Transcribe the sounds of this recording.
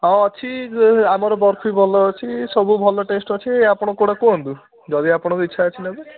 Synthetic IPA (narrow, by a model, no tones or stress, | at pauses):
ɦɔɔt͡ʃʰiamɔɾɔbɔɾpʰibʱɔlɔːt͡ʃʰisɔbubʱɔlɔʈesʈɔt͡ʃʰieapɔɽ̃ɔkoɽ̃akond̪u | d͡ʒɔd̪iapɔɽ̃ɔkit͡ʃʰaːt͡ʃʰinebu